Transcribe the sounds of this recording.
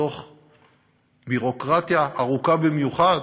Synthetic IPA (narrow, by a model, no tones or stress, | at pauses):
o̞χ | biʁo̞kʁat̪jaʔːʁukabimjuχad